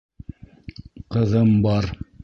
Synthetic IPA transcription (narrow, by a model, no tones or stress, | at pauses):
qɤ̆ðɤmbɑɾ